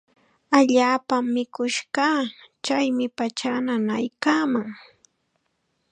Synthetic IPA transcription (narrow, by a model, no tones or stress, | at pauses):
aʎaːpamːɪkʊʃɢɑt͡ʃajmɪpat͡ʃananajkaːmaŋ